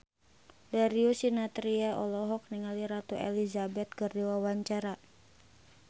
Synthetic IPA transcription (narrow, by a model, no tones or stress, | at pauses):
daɾiusinat̪ɾiɛʔɔlɔɦɔk̚niŋaliɾat̪uʔɛ̰lizabɛt̪̚kərdiwawaɲt͡ʃaɾa